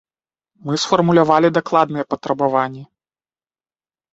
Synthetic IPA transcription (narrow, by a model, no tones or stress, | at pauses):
mɨsfɐrmulʲavalʲid̪aklˠad̪nɨjɛpɐt̪ɾɐbavanʲːɛ